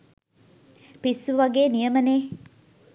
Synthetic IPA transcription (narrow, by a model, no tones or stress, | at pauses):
pisuʋɐɡeːnijəməneː